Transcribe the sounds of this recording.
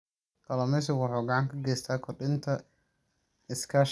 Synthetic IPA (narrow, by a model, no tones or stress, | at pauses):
kʰɐlɔmɛsʊwɑħɔːɡaʕɑŋkʰɐɡɛːjst̪ʰaːkʰɔrɗɪnt̪ʰɐ | ɪskʰaʃ